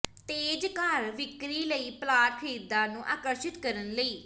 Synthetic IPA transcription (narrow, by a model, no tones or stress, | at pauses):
t̪eːd͡ʒkaɾʋɪkɾiːləiːplaːʈ̚kʰeːd̪ãːnũːʔaːkəɾʃɪt̪kəɾənləiː